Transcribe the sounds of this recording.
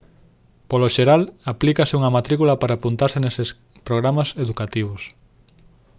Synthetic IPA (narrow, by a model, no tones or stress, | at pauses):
poloʃeɾalaplikasɪuŋɐmat̪ɾikulapaɾaːpunt̪aɾseneses | pɾoɣ̞ɾamaseðukat̪iβ̞os